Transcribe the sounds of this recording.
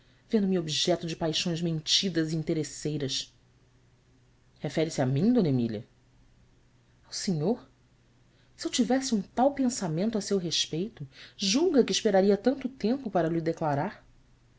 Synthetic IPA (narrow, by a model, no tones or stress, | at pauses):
vẽnd̪ʊmɪobiʒɛt̪ʊd͡ʒɪpajʃõj̃zmẽnt͡ʃid̪ɐziĩnt̪eɾesejɾɐs | hefɛɾɪsɪamĩɲ̃d̪õnemiljɐ̰ | awseɲoɾ | siewt͡ʃivɛsɪũt̪awpẽsamẽnt̪ʊasewɦeʃpejt̪ʊʒuwɡɐkɪːʃpeɾaɾiɐt̪ɐ̃nt̪ʊt̪ẽmpʊpaɾɐlid̪eklaɾaɾ